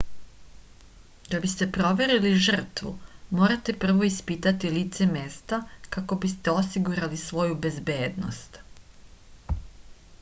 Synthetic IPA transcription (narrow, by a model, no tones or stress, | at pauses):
d̪abist̪e̞pɾo̞ʋe̞ɾiliʒr̩t̪ʋṵmo̞ːɾat̪e̞pr̩ʋo̞ispit̪at̪ilit̪se̞meːst̪akako̞bist̪e̞o̞siɡuɾalisʋo̞jube̞zbe̞ːd̪no̰st̪